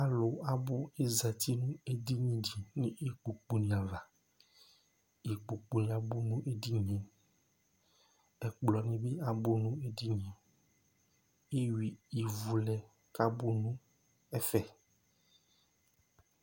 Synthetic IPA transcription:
a˨˦lo˨a˦bo˦e˦zɛ˨t̪i˦nũ˦e˦di˦ɲĩ˦ɖi˨nĩ˦ʔe˦k͡pu˨k͡po˨nĩ˨ã˨va˨ | e˨k͡po˨k͡po˨nĩ˨ã˨bo˦nũ˦ʔe˦di˦ɲẽ˨ | ɛ˨k͡plɔ˨nẽ˦be˦a˨bo˦nũ˦e˦di˦ɲ˨ẽ˨ | e˦wi˨i˨vu˨lɛ˨ | ka˦bo˦nũ˦ | ɛ˦fɛ˨

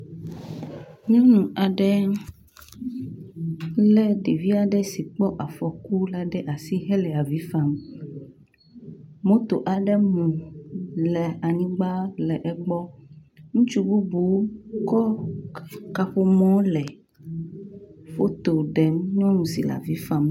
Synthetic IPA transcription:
ɲɔ̃˦nũ˨ʔa˨ɖɛ˦ | lɛ˦ɖe˨vi˦a˨ɖɛ˦si˨k͡pɔ˦ʔa˨fɔ˨ku˦la˨ɖɛ˦ʔa˨si˦ɦɛ˦lɛ˨a˨vi˨˦fa˦m | mõ˦t̪o˨ʔa˨ɖɛ˦mũ˨ | lɛ˨a˨nĩ˦ɡ͡ba˦lɛ˨ʔɛ˨ɡ͡bɔ˦ŋũ˦t͡ʃu˦bu˦bu˨˦kɔ˦ | ka˦ɸo˦mɔ̃˦lɛ˨ | fo˦t̪o˨ɖɛ˨mɲɔ̃˦nũ˨si˨la̰˨vi˦fa˦m

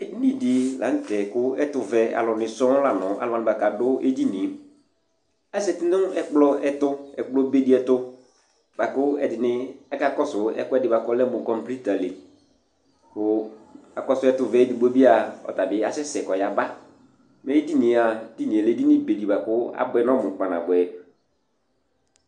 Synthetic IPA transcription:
e˦di˦nĩ˨di˨lã˨˦n˦tɛ˨kʊ˦ɛ˦tʊ˨vɛ˦a̰˨lɔ˨nɪ̃˨sɔ̃˦la˨nɔ̃˨a̰˨lɔ˨˦a˨nɪ̃˨ba˨ka˨dʊ˦ʔḛ˦di˦nĩ˨˦ | a˦sɛ˨tɪ˦nʊ̃˦ɛ˦k͡plɔ˦ɛ˦tʊ˦ɛ˨k͡plɔ˦be˦di˦ɛ˨tʊ˦ | b̥a˨kʊ˦ɛ˨dɪ˨nɪ̃˦ɛ˦ka˦˨kɔ˦sʊ˨˦ɛ̰˦kʊ˦ɛ˦dɪ˨ba˨kɔ˦lɛ˦mʊ̃˨kɔ˦mpli˦ta˨le˨ | kʊ˨a˨kɔ˦sʊ˦ɛ˦tʊ˨vɛ˦di˨bo˦bi˦a˨ɔ̰˨ta˨bɪ˦a˦sɛ˦sɛ˨kɔ˨ja˨ba˦ | mɛ˨˦i˦di˦nĩ˨˦a˨di˦nĩ˨ɛ˨le˦di˦nɪ̃˦be˨di˨ba˨kʊ˦a̰˦bʊ˦ɛ˦nɔ̃˦mʊ̃˨k͡pã˨na̰˨bʊ˨ɛ˨

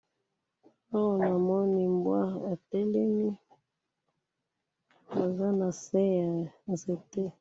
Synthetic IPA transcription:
a˦wɔ˨na˨mɔ˦ni˨mbwa˦a˨tɛ˦lɛ˦mi˦ | a˨za˦na˨sɛ˦ja˨nze˨te˦

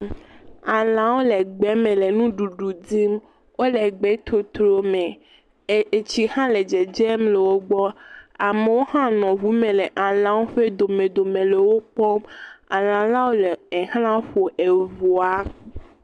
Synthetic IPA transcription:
a˨lã˨˦wo˦le˨ɡ͡bɛ˨˦mẽ˨le˨nũ˦ɖu˨ɖu˨di˦m | wo˦lɛ˨ɡ͡bɛ˦t̪o˨t̪ɾo˨mẽ˨ | e˨t͡ɕi˦hã˦le˨d͡ʒɛ˨d͡ʒɛ˦mle˨wo˦ɡ͡bɔ˦a˨me˨wo˦hã˦nɔ̃˨vu˦mẽ˨le˨ʔa˨lã˨˦wo˦ɸe˦d̪o˨mẽ˨d̪o˨mẽ˨le˨wo˦k͡pɔ˦ma̰˨lã˨la˦wo˦le˨e˨hlã˦ɸo˨ʔe˨vo˨a˦

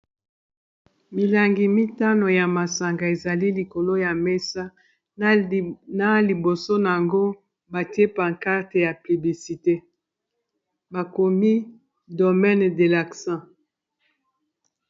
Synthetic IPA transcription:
mi˨la˨ŋɡi˨mi˦ta˦no˨ja˨ma˨sa˨ŋɡa˨e˨za˨li˦li˨ko˨lo˦ja˨me˦sa˦ | na˨li˨bo˨so˦na˨ja˨ŋɡo˦ | ba˨tje˦pa˨ka˦ʁte˨ja˨py˨bli˨si˨te˦ | ba˨ko˨mi˦ | do˨mɛ˦n˨de˨la˨ksã˦

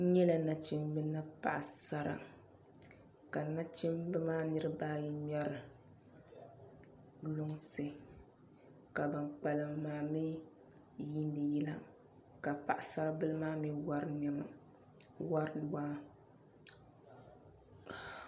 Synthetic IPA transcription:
ɲɛ˦la˦˨na˨t͡ʃi˦mbɨ˦na˦pa̰˨ʔa˨sa˦ɾa̰˨ | ka˨na˦t͡ʃi˦mbɨ˦maː˦nɨ˦ɾɨ˦baː˦ji˦mɛ˦ɾɨ˨ | lʊ˦ŋsɨ˨ | ka˨ba˨nk͡pa˨lɨ˨mːaː˨mi˦ | ji˦ndɨ˨jɛ˦la˦ | ka˨pa˨ʔa˨sa˦ɾa˦bɨ˦lɨ˦maː˦mi˦wa˦ɾnɛ˦ma̰˨ | wa˦ɾdwaː˦

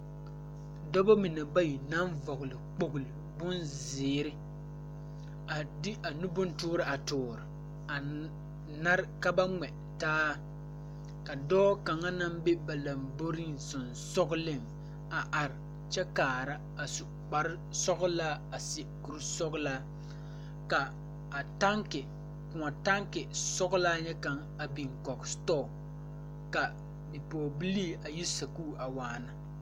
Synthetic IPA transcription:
dɔ˦bɔ˦mɪ˨nɛ˨ba˦ji˨na˦nvɔ˨ɣʊ˨lɪ˨k͡po˦ɡʊ˨lɪ˨bʊ˦nzɪː˨˦ɾɪ˦ | a˨dɪ˦a˨nu˦bʊ˦ntʊː˦ɾɪ˨a˨tʊː˨ɾɪ˨ | a˨ | na˦ɾɪ˦ka˦ba˦ŋɛ˨ | taː˦ | ka˨dɔː˦ka˨ŋa˦na˦mbe˦ba˨la˨mbo˦ɾi˦ŋsʊ˨n | sɔ˦ɣʊ˦lɪ˦m | a˨ʔa˨ɾɪ˨ | t͡ʃɛ˦kaː˨ɾa˦ | a˨sʊ˨ | k͡pa˨ɾɪ˦sɔ˦ɣʊ˦laː˦a˨sɪ˨ku˨ɾsɔ˦ɡlaː˦ | kaː˨ | ta˦ŋkɪ˨ | kʊ˨a˨ta˦ŋkɪ˨sɔ˦ɣʊ˦laː˦ɲɛ˦ka˨ŋ | a˨bi˨ŋkɔ˨kstɔː˦˨ | ka˨ | bi˨pɔː˨bi˦li˦a˨ji˦sa˨kuː˦˨ʔa˨waː˨na˨

